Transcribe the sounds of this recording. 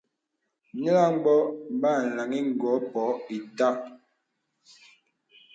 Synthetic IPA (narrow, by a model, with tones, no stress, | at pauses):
ni˦la˦ŋ͡mɡ͡bɔ˦m̩˨˦ba˦˨n̩˨la˨ŋi˦ŋ̩˨ɡɔ˨˦pɔ˨˦i˨ta˦